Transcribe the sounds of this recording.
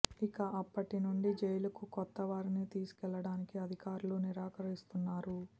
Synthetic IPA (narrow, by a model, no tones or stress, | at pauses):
ikɐʔɐpːɐʈinuɳɖid͡ʒɛjlɐkukɔt̪ːɐʋaːɾinit̪iːsu̥kɛlːɐɽaːnikiɐd̪ʱikaːɾuloːniɾaːkɐɾist̪unːaːɾu